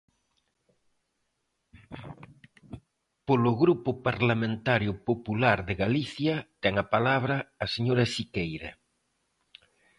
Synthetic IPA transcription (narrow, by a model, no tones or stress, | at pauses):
poloɣɾupʊpaɾlamẽnt̪aɾjʊpopulaɾðeɣaliθjat̪ɛŋapalaβ̞ɾɐːseɲoɾɐʃikejɾa̰